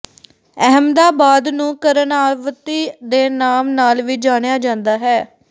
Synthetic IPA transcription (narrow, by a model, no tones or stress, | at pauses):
ɛɦəmd̪aːbaːd̪nũːkəɾənaːʋt̪iːd̪eːnaːmnaːlʋiːd͡ʒaːɽ̃ejaːd͡ʒãːnd̪aːɦɛː